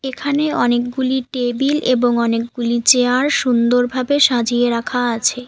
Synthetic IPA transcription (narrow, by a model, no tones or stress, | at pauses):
ekʰaneɔnek̚ɡuliʈebileboŋɔnek̚ɡulit͡ɕeaɾʃund̪oɾbʱabeʃad͡ʑieɾakʰaat͡ɕʰe